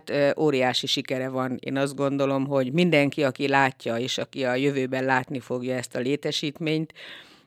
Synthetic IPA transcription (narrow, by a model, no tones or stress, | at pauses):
t̪ʔoːɾijaːʃiʃikɛɾɛvɒnḛːnɒzd̪̚ɡo̞nd̪o̞lo̞mɦo̞ɟmind̪ɛŋkiɒkilaːcːɒeːʃɒkiɒjøvøːbɛnlaːt̪nifo̞ɡjɒɛst̪ɒleːt̪ɛʃiːt̪meːɲt̪